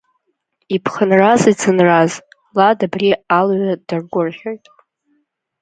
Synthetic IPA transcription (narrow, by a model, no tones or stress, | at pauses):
ipʰχənrazit͡sʰɨnraz | ladabrialɥad̥ɨrɡʷʊrχʲojtʼ